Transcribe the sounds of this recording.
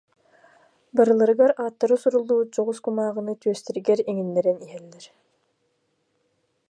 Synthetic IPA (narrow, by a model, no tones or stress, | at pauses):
baɾɯlˠaɾɯɡaɾaːt̪ːaɾɯsuɾulˠːuːd͡ʑɔʁuskumaːʁɯ̆nɯt̪yœst̪ɛɾiɡɛɾiŋinːɛɾɛniɦɛlːɛɾ